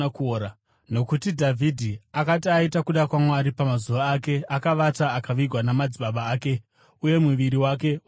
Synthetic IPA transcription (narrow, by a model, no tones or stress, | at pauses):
kːɾa | no̞kutidʱavʱidʱiakatiaitakuɗakwamoaɾipamazuʋaːke̞akaʋataːkaʋiɡʱwanamad͡ziɓaɓaːke̞ | uje̞muʋiɾiwak̬e̞